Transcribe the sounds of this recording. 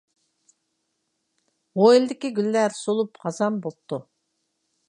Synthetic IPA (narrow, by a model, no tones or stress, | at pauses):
ʁojilʲˠd̪ɪkʲiɡʲylːæɾsolˠupqɑzɑmbolˠp̚t̪ːu